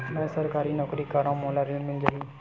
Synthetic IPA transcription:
nəsəɾkaɾinɔːkɾikaɾãmɔlaɾinmɪld͡ʒaɦi

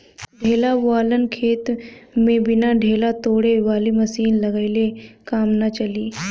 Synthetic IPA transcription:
ɖʱeːlaʋaːlənkʰeːt̪mẽbɪnaɖʱeːlat̪oːɽeʋaːliməsiːnlɐɡaɪlekaːmnat͡ʃɐliː

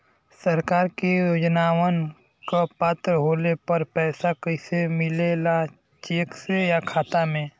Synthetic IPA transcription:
sɐɾkaːɾkijoːd͡ʒnaːwən | kapaːt̪ɾəɦoːlepɐɾpɛːsakəɪsemɪlela | t͡ʃeːksejakʰaːt̪amẽː

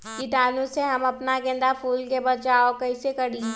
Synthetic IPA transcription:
kɪt̪aːnõseɦɐmɐpnaɡɛ̃ːnd̪afuːlkebɐt͡ʃaːokɐɪsekɐɽi

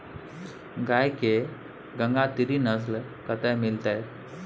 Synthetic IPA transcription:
ɡajke | ɡəŋɡat̪iɾinəs̬l | kət̪ajmilt̪aj

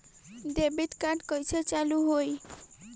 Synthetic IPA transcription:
ɖ̪ebit̪kaɖkɔjt͡ʃʰet͡ɕaluɦoj

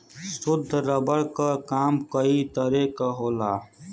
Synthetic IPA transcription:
sʊd̪ʱːɾɐbəɽkakaːmkɐit̪ɐɾeːkaɦoːlaː

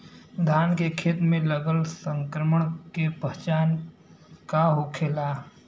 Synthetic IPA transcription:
d̪ʱaːnkekʰeːt̪mẽləɡəlsə̃ŋkɾəməɳ̃kepəɦt͡ʃaːn | kaɦokʰeːlaː

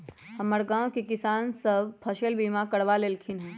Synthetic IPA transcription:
hɐməɽɡãːw̃kikɪsaːnsɐbpʰɐʃəlbiːmakɐɽʋalelkʰɪnɦɛː

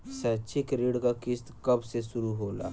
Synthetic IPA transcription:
sət͡ʃikɾiɽkakist̪kəbsesuɾuɦola̰

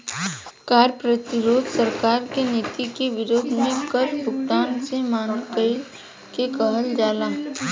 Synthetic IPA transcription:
kaːɾpɾət̪ɪɾoːd̪səɾkaːɾkeneːt̪ikeʋɪɾoːd̪mẽkəɾbʱʊkt̪aːnsemaːnkəi | kekəɦəld͡ʒaːlaː

